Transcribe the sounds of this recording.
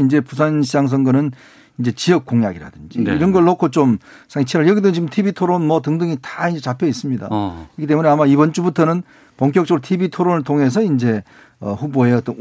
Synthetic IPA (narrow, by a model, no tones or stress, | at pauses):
ind͡ʑe̞pus̬ʰanɕʰid͡ʑaŋs̬ʰʌŋɡʌnɯn | ind͡ʑe̞t͡ɕiʌk̚k͈oŋjaɡiɾa̰dɯnd͡ʑḭiɾʌnɡʌɭːokʰot͡ɕom | sʰaŋet͡ɕʰeɾaɭjʌɡit̪emt͡ɕimtʰibitʰoɾonmʌtɯŋdɯŋitḁind͡ʑet͡ɕapʰjʌis͈ɯmɲida̰ikʰit͈emune̞amaibʌnt͡ɕ͈ubutʰʌnɯn | poŋk̬͈jʌk̚t͡ɕ͈ʌɡɾɭotʰibitʰoɾonɯɭtʰoŋɦe̞s̬ʰʌind͡ʑe̞ | ʌ̰ɸuboe̞ʌt͈ʌn